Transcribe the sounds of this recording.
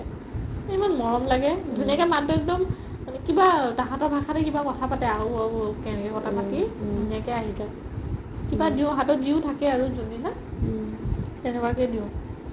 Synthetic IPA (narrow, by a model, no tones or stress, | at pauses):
emanmɔɹɔmlaɡɛdʱunijakɛmadɔɛk̚dɔm | kibataɦãtɔɹbʱakʰatɛkibakɔtʰapatɛawakɛnɛkɛkɔtʰapatidʱunijakɛaɦiza | kibadiʊ̃ɦãtɔdiʊ̃tʰakɛaɹuzonila | tɛnɛbaɹkɛdiʊ̃